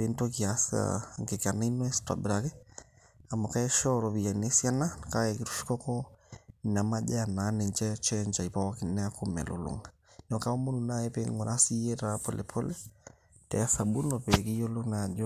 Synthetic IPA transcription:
ento˦kiasa̰ŋke˨ka˨na˦i˦nɔ˦ɛ˦sta̰˨bɾakɛ˦ | a˨ma˨ka˦ɛ˦ʃɔɾɔ˨βi˨ja˨ne˦sja˦na˦ka˦jɛki˨ɾu̥˦ʃi̥˦kɔ˦kɔ | na˨ma˦ʄɛ˦a˨na˨˦nɛ˨nt͡ʃɛ˦t͡ʃɛ˦nt͡ʃa˨i˨pa˦wa˦ki˨nɛ˦a˦kʰu˦mɛ̰˨lo̰lṵ˨ŋa | nɔ˨ka˦ɔ˦mo˦nu˨na˦ɛ˦pe˦ŋɡɔ˨ɾʔa˦si˦jɛ˦tapɔ̰˨lʔɛ̰˨pʰɔ˦lɛ˦ | tɛa˦sa˨ɓu˦nɔ˨pɛ˨ki˦jɔ˦lo˦na˨d͡ʒɔ

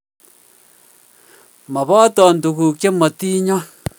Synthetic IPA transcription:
ma˨bɔ˦t̪ɔ˨n˨d̪u˨ku˨kʲe˦ma˨t̪iː˦ɲɔ̃˦

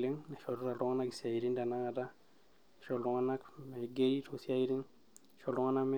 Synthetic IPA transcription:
lɪ˦ŋnɛ˨ʃɔ˨dɔ˦ɾa˨lɔ˦ŋa˦na˦ki˨sia˨i˨ɾi˦ŋda˨na˦ŋa˨da˦˨ | ʃɔ˨lɔ˨˦ŋa˦na˦kmɛ˨ɡe˦ɾi˦tʰo˨si˦a˦i˦ɾi˦ŋ | ʃɔ˨lɔ˦ŋa˦na˦kmɛ˦

